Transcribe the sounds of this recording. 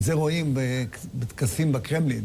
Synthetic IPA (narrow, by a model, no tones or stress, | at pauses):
zeʁoimbebet̪kasimbekʁemlin